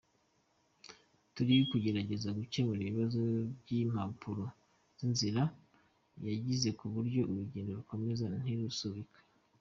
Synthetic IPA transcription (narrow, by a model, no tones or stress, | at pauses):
tuɾiikuɟe̞ɾaɟe̞zaɡut͡ʃe̞muɾiβiβazo̞bɟim̥apʰuɾo̞ | z̥inziɾa | jaɟize̞kuβuɾɟo̞ʔuɾuɟeːndoβiko̞me̞zan̥iɾusuβikʰḁ